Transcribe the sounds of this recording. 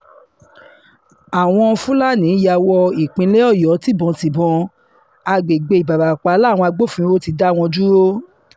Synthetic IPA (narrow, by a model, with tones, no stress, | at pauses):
a˨w̃ɔ̃˧fũ˦la˦˨nĩ˨˦ja˧wɔ˧i˨k͡pĩ˧le˦ɔ˦˨jɔ˨˦ti˦˨bɔ̃˨˧ti˨bɔ̃˧ | a˧ɡ͡be˨ɡ͡be˧i˨ba˨ba˨k͡pa˨˦la˦˨w̃ɔ̃˧a˧ɡ͡bo˦˨fũ˦o˦ti˧da˦˨w̃ɔ̃˧d͡ʒu˦ɾo˦